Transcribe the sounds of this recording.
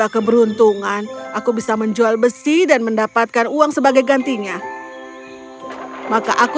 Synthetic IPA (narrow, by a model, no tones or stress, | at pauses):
akəbəɾunt̪uŋanʔakubisaməɲd͡ʒualbəsidanməndapat̪̚kanuaŋsəbaɡajɡant̪iɲa | makaʔak